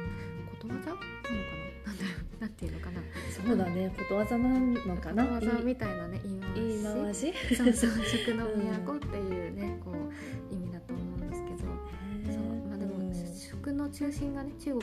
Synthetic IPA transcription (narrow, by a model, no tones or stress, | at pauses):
ko̞t̪o̞βad͡ʑanãnk̪ananãnd̪aɾonãnt̪eɯ̟no̞kanaso̞ːd̪ane̞ko̞t̪o̞βazananokanaoβazamʲit̪ainane̞ʔiːmaimaĩaʑisosoɕokɯ̟no̞mijako̞t̪ːe̞jɯ̟ːne̞ko̞ː | imʲid̪at̪oːmo̞ɯ̃nd̪esɨ̥ke̞d̪o̞ | somaːd̪emoɕo̥kɯ̟no̞t͡ɕɨːɕĩŋɡane̞t͡ɕɨːɡo̞